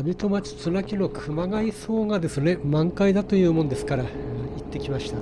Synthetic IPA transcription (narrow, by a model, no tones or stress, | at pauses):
abʲit̪o̞mat͡ɕi̥t͡sɨnakʲino̞kʰɯ̟maɡaiso̞ːŋad̪e̞sɨne̞mãŋkaid̪at̪o̞jɯ̟ːmo̞nd̪e̞sɨ̥kaɾait̪ːe̞kʲimaɕi̥t̪a